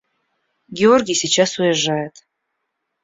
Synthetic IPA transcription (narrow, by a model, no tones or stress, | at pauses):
ɡʲeorɡʲijsʲit͡ɕasujaʒɑjət̪